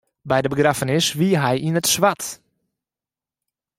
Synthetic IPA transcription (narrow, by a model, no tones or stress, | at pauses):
bɛjdəbəɡrafənɪsʋiɦɛjʔinətsʋat